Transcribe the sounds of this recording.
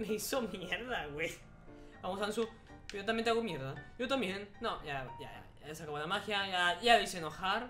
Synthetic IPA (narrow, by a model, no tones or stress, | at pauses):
meiso̞mjeɾðaɣwej | bamosaansu | jot̪amjent̪eaɣomjeɾðajot̪ambjenːoʝaja̰ | aesakaβonamaxjaʝaʝaðisenoxaɾ